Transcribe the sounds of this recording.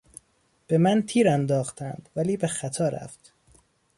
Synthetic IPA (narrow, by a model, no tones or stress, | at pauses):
b̥e̞mænt̪ʰiːɾænd̪ɒːxt̪ænd̪̥væliːbe̞xæt̪ʰɒːɾæ̰ft̪